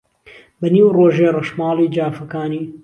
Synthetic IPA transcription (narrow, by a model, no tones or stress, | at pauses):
bɐniːwroːʒeːrɐʃmɑːliːd͡ʒaːfɐkaːniː